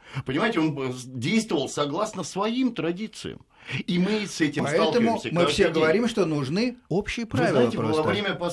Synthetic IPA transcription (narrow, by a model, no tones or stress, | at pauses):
pənʲɪmajɪtʲɪondʲejst̪vəvəlˠsɐɡlˠasnəsvɐimt̪ɾɐdʲit̪sɨ̰jə̰m | imɨsɛtʲɪmpɐsɛlˠt̪əmʊsmɨfsʲeɡəvɐɾʲimʂt̪o̞nʊʐnɨopɕːɪjəpɾvazvʲɪnaɪtʲɪɾovɐvɾʲemʲəpɐ